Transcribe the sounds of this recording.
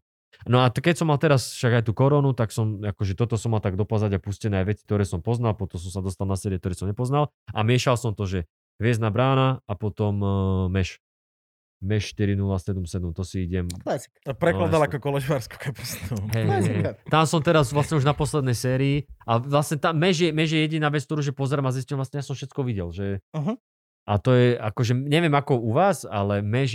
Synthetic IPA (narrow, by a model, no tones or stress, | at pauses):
nɔakɛcsɔmːalt̪ɛɾasfʃaɡajt̪uːkɔɾɔːnut̪aksɔmakɔʒɛt̪ɔt̪ɔsɔmːalt̪aɡ̚d̪ɔpazaɟapuscɛnɛːajʋɛt͡si̥k̚t̪ɔɾɛːsɔmpɔznalpɔt̪ɔms̬ɔmsad̪ɔst̪alˠnasɛːɾiɛkt̪ɔɾɛːsɔmɲɛpɔznal | ʔa̰mɪɛʃalsɔmt̪ɔʒɛ | ɦʋɪɛznabɾaːnaapɔt̪ɔmmɛʃ | mɛʃʃt̪iɾinulasɛd̪umsɛd̪umt̪ɔsiiɟɛm | pɾɛlad̪alakɔkɔlɛʒʋaɾsku̥kʰapɔst̪uɦɛjɛt̪amsɔmt̪ɛɾazʋlasɲɛuʒnapɔslɛd̪nɛjsɛːɾiːʔaʋlasɲɛt̪amːɛʒjɛmɛʒjɛjɛɟinaːʋɛt͡skt̪ɔɾuːʒɛpɔzɛɾaːmaziscɛmʋlasɲɛjasɔmfʃɛt͡skɔʋiɟɛlʒɛɦ | ʔat̪ɔjɛʔakɔʒɛɲɛʋɪɛmakɔuʋaːsa̰lɛmɛʒ